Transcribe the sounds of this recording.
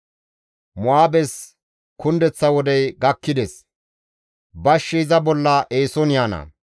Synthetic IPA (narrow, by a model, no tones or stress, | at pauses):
mʊaːbɛs | kʊnd̪ɛt͡sːɐwɔd̪ɛjɡɐkːɪd̪ɛs | bɐʃːiɪzɐbɔlːɐʔeːsɔnɪjaːnɐ̰